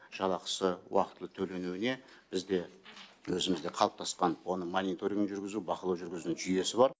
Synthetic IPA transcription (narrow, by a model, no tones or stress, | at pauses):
ʒ̥ɑlˠɑqə̥səwɑ̰qət̪əlˠət̪ʰɵle̞nuɪne̞ | b̥ɪzd̪e̞wɵzɪmɪzd̪e̞qʰɑlˠəp̚t̪ʰɑsqɑnwo̞nəmonit̪o̞ɾʲiŋʒʏɾɡʲɪzubɑqəlˠɑwʒʏɾɡʲɪzunʒʏje̞sɪbɑɾ